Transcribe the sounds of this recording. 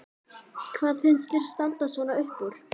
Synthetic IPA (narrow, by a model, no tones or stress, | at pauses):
kʰvaːðfɪnst̪ɪɾ̥st̪ant̪asvɔːnaʏhpuɾ̥